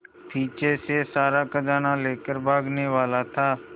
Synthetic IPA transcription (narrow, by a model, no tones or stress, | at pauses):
tʰiːt͡ʃesesaːɾakad͡ʒaːnaleːkəɾbʱaːɡneʋaːlat̪ʰaː